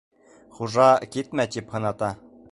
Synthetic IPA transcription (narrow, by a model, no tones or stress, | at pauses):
χuʒɑkit̪mæt̪iphɤ̆nɑt̪ɑ